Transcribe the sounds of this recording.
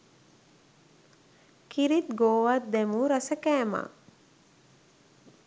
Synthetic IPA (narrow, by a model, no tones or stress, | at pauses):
kiɾit̪ɡoːʋat̪̚d̪ɛmuɾɐsəkæːma̰ː